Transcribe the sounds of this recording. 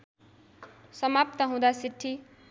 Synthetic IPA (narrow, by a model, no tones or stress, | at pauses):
sʌmap̚t̪ʌɦũd̪asiʈʰːi